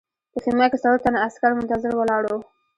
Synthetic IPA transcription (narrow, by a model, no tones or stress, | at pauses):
p̪əximakesaɾut̪anaaskaɾmʊnt̪azɪɾwəlɑɽo